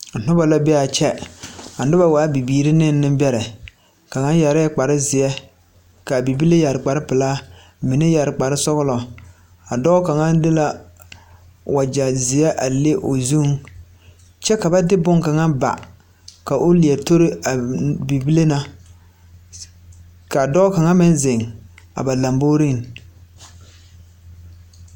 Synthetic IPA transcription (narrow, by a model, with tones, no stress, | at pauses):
n̩˨n̥ʊ˦ba˨la˦bɛ˦a˨t͡ʃɛ˦a˨nɪ˦ba˦waː˨˦bi˨biː˦ɾɪ˦nɪ˦n˦nːɪ˦m˦bɛ˦ɾɛ˨ | ka˨ŋa˦nja˨ɾɪ˦k͡pa˨ɾɪ˦zɪ˨jɛ˦ | ka˨bi˨bi˦le˦ja˨ɾɪ˨k͡pa˨ɾɪ˦pɪ˨laː˦ | mɪ˨nɪ˦ja˨ɾɪ˨k͡pa˨ɾɪ˦sɔ˦ɣʊ˦lɔ˨ | a˨dɔ˦ka˨ŋa˦ndɪ˦la˦ | wa˨d͡ʒa˨zɪ˨ɛ˦ʔa˨le˦ʔo˨zuː˦ŋ | t͡ʃɛ˦ka˨ba˦dɪ˦bʊ˦ŋka˨ŋa˦ba̰˨ | ka˨ʔʊ˦li˨ɛ˨to˦ɾɪ˦a˨bi˨bi˦le˦na˦ | ka˨dɔː˦ka˨ŋa˦mɪ˦nzɪ˨ŋa̰˨ba˨la˨mbo˦ɾi˦n˨